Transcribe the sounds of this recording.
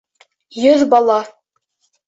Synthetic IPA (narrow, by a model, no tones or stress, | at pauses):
jɵðbɑlˠɑ